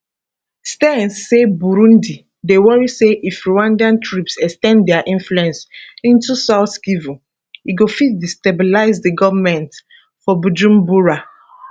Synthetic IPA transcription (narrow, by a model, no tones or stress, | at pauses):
stɛ̃nsːebuɾũndi | dewɔɹiseʔifɹuãndiãntʰɹipsɛkstɛ̃nddɛaʔĩnfluɛ̃nsĩntusaʊθkivũ | iɡofit̚distebilaɪzdəɡɔvmɛ̃nt | fɔbud͡ʒũmbuɹa